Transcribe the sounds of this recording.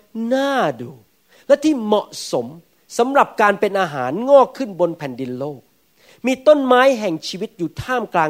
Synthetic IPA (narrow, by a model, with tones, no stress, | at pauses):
naː˥˩duː˧˩ | lɛ˦˥t̪ʰiː˥˩mɔ˨˩ʔso˩˦m | sa˩˦mɾa˨˩p̚kaː˧npe˧nʔaː˧ɦaː˩˦nŋɔː˥˩kʰːɯ˥˩nbo˧npʰɛ˨˩˦ndi˧nloː˥˩k̚ | miː˧t̪o˥˩nmaː˦˥jɦɛ˨˩ŋt͡ɕʰiː˧wi˦˥t̪̚juː˨˩t̪ʰaː˥˩mklaː˧